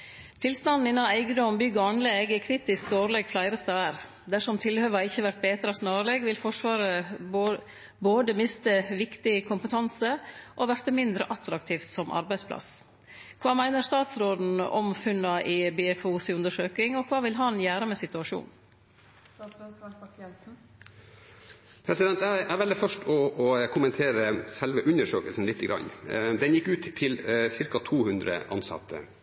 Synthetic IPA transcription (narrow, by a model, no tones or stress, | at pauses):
t̪ʰɪlst̪ɑnd̪n̩ɪnːɑnæɪɡəd̪ɔmbʏɡːɔɑnlɛɡɛkʰɾiːt̪ɪsk̚d̪oːɾlɛɡflæɪɾəst̪ɑæɾ | d̪æʂɔmt̪ʰɪlhøːʋɑɪçːəʋæɾt̪̚beːt̪əɾɑsnɑːɾəlɛɡʋɪlfɔʂʋɑːɾə | boːd̪əmɪst̪əʋɪkt̪ɪkʰʊmpət̪ʰɑnsəʔoʋæɾt̪əmɪnd̪ɾə̰ʔɑt̪ɾɑkt̪ʰiːft̪sɔmʔɑ̰ɾbæɪspʰlɑ̰s | kʰʋɑːmæɪnəst̪ɑːt̪sɾoːd̪n̩ɔ̰mfʉnːɑʔɪbɪɛfuːsɪʉnd̪əʂøːkɪŋɔkʰʋɑːʋɪlɦɑnjæːɾəmɛsɪt̪ʉɑʂṵːn | st̪ɑːtsɛsɑɑkjɛlsn̩ | pʰɾɛsɪd̪ɛnt̪ææʋɛlːəfœʂʈɔɔkʰʊmənt̪ʰeːɾəsɛlʋəʔʉnəʂøːkəlsn̩lɪt̪ʰːəɡɾʔɑ̰nːd̪ɛnjɪkːʉːt̪ʰːɪlsɪɾkɑt̪ʰuːhʉnd̪ɾə̰ʔɑ̰nsɑ̰t̪ʰːə̰